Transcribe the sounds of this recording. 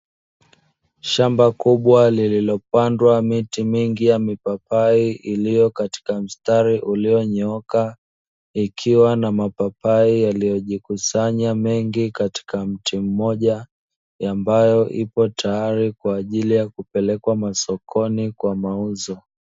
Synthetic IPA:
ʃambakuɓwalililɔpandwamitimiŋɡijamipapaiʔilijɔkati̥kam̩staɾiʔulijɔɲɔɔka | ikʰiwanamapapaijalijɔʄikusaɲamɛŋɡikati̥kam̩tʰim̩mɔʄa | ambajɔʔipɔtʰajaɾikwaːʄilijakupɛlɛkwamasɔkʰɔnikwamauzɔ

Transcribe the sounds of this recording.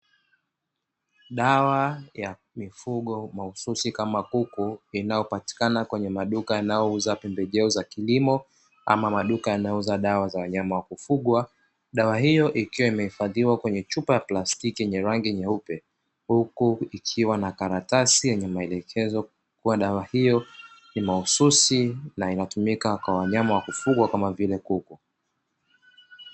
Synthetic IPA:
ɗawaja | mifuɠɔmaususikamakukuinajɔpati̥kanakwɛɲɛmaɗukajanajɔuzapɛmbɛʄɛɔzakilimɔ | a̰mamaɗukajanajɔuzaɗawazawaɲamawakufuɠwa | ɗawahijɔʔikiwaimɛhifaðiwakwɛɲɛt͡ʃupajaplastikijɛɲɛɾaŋɡiɲɛupɛ | hukuikʰiwanakaɾatasijɛɲɛmaɛlɛkʰɛzɔ | kuwaɗawahijɔnimaususinainatumikakwawaɲamawakufuɠwakamavilɛkuku

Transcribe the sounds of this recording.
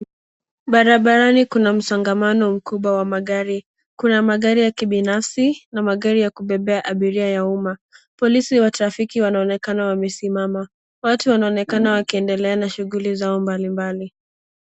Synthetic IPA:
ɓaɾaɓaɾanikunam̩saŋɡamanɔm̩kuɓwawamaɠaɾi | kunamaɠaɾijakiɓinafsinamaɠaɾijakuɓɛɓɛaʔaɓiɾiajaumapɔlisiwataɾafikiwanaɔnɛkanawamɛsimama | watuwanaɔnɛkanawakiɛndɛlɛanaʃuɣulizaɔmbalimbali

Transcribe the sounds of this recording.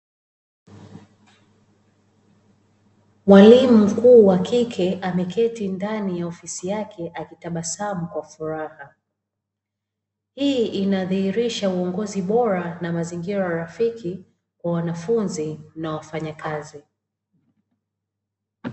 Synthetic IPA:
mwalimum̩kuːwakikʰɛʔamɛkɛtindanijaɔfisijakʰɛʔakitaɓasamukwafuɾaha | hiːinaðihiɾiʃauɔŋɡɔziɓɔɾanamaziŋɡiɾajaɾafiki | kwawanafunzinawafaɲakazi

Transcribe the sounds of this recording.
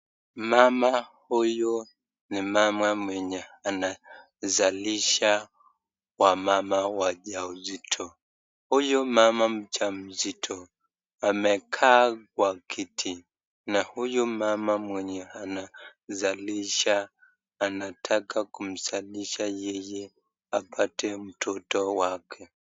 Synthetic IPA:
mamahujɔ | nimamwamwɛɲɛana | zaliʃa | wamamawaʄauzitʰɔ | hujɔmamam̩t͡ʃam̩zitʰɔ | amɛkʰaːkwakʰitʰi | nahujumamamwɛɲɛanazaliʃaː | natʰakakum̩zaliʃajɛjɛ | apʰatɛm̩tʰɔtɔwakʰɛ

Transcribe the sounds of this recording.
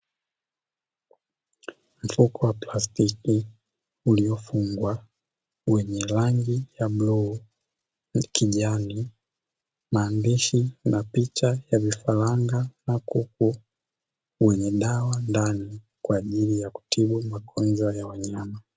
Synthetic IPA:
m̩fukɔwaplastiki | uliɔfuŋɡwa | wɛɲɛlaŋɡijablɔː | kʰiʄani | maːndiʃinapit͡ʃajavifalaŋɡanakuk̚u | wɛɲɛɗawandani | kwaːʄilijaku̥tʰiɓumakʰɔnzɔjawaɲama

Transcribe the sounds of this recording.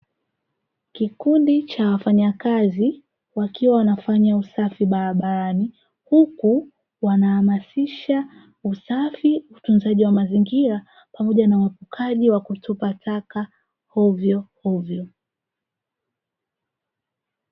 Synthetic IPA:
kikundit͡ʃawafaɲakazi | wakiwawanafaɲausafiɓaɾaɓaɾani | huku | wanahamasiʃa | usafiutunzaʄiwamaziŋɡiɾa | pamɔʄanawapukʰaʄiwakutʰupatʰaka | hɔvjɔhɔvjɔ

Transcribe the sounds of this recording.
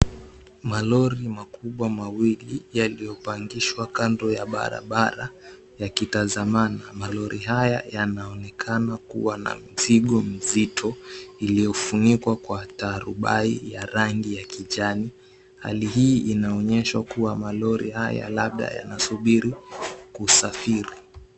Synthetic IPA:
malɔɾimakuɓwamawilijalijɔpaŋɡiʃwakandɔjaɓa̰ɾa̰ɓaɾa | jakitazamanamalɔɾʔiɦaja̰janaɔnɛkʰanakṵwana̰miziɠɔm̩zitʰɔilijɔfunikwakwataɾuɓaijaɾaŋɡijakiʄani | ha̰liɦiːʔinaɔɲɛʃwakuwamalɔɾʔḭhaja̰laɓ̚ɗa̰ja̰nasuɓiɾikusafiɾi

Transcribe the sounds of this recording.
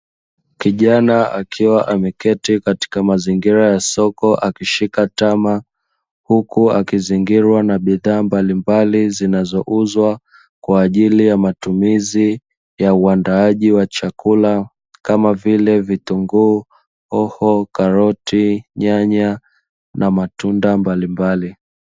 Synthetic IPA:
kiʄanaa̰kʰiwaʔamɛkɛtikati̥kamaziŋɡiɾajasɔkɔʔakiʃikatama | hukuakiziŋɡiɾwanaɓiðaːmbalimbalizinazɔʔuzwa | kwaːʄilijamatumizi | jauandaaʄiwat͡ʃakula | kamavilɛvituŋɡu | ɔhɔkaɾɔtiɲaɲa | nʔamatundambalimbali

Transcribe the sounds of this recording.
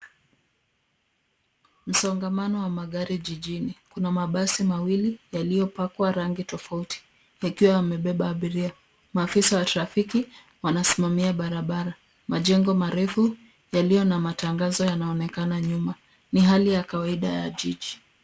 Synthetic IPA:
m̩sɔŋɡamanɔwamaɠaɾiʄiʄinikunamaɓasimawilijalijɔpakwaɾaŋɡitɔfautʰi̥ | akiwaːmɛɓɛɓaːɓiɾia | maːfisawataɾafiki | wanasimamiaɓaɾaɓaɾa | maʄɛŋɡɔmaɾɛfu | jalijɔnamataŋɡazɔjanaɔnɛkanaɲuma | niɦalijakawaiɗa̰ja̰ʄiʄi

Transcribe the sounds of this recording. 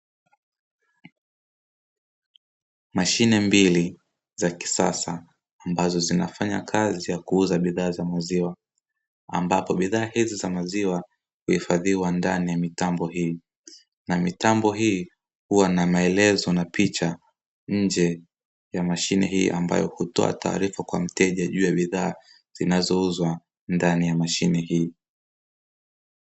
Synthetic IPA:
maʃinɛmbili | zaki̥sa̰saː | mbazɔzina̰faɲa̰kʰazijakuuzaɓiðaːzamaziwa | a̰mbapɔɓiðaːhizizamaziwa | huhifaðiwandanijamitambɔhiː | namitambɔɦiː | huwanamaɛlɛzɔnapit͡ʃa | ɲ̩d͡ʒɛ | jamaʃinɛ̰ɦḭːʔamba̰jɔhutɔ̰a̰ta̰ːɾifakwa̰m̩tɛʄaʄuːjaɓiðaː | z̥inazɔuzwa | ndanijamaʃinɛhiː

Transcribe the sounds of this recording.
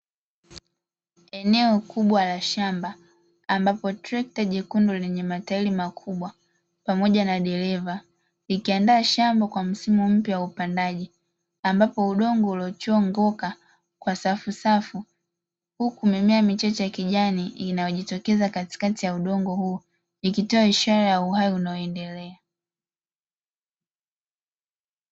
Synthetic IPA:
ɛnɛɔkuɓwalaʃambaː | mbapɔtɾɛk̚taʄikunduɔlɛɲɛmatailimakʰuɓwa | pamɔʄanaɗɛɾɛva | likiandaːʃambakwam̩simum̩pjawaupandaʄi | ambapɔuɗɔŋɡɔulɔt͡ʃɔŋɡɔka | kwasafusafu | hukumɛmɛamit͡ʃat͡ʃɛjakiʄaniinajɔʄitɔkɛzakati̥katijauɗɔŋɡɔhuː | ikitɔaiʃaɾajauɦajiunaɔɛndɛlɛa

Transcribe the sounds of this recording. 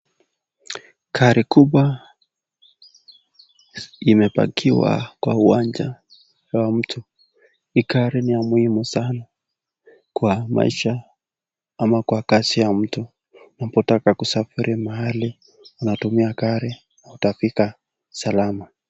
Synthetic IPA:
kʰaɾikuɓwa | imɛpa̰kʰiwa̰kwa̰uand͡ʒa | wam̩tʰu | ikaɾinijamuhimusana | kwama̰ḭʃa | amakwakasijam̩tu | napɔtakakusafiɾʔimaɦali | unatumiakaɾi | nahutafika | salama

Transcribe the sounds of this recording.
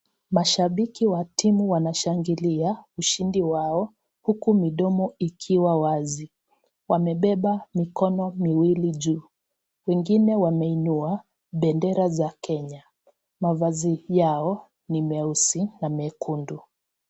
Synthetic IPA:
maʃaɓikiwatimuwanaʃaŋɡiliauʃindiwaɔ | hukumiɗɔmɔikʰiwawazi | wamɛɓɛɓamikɔnɔmiwiliʄuː | wɛŋɡinɛwamɛinua | ɓɛndɛɾazakʰɛɲa | mavazijaɔ | nimɛusinamɛkʰundu

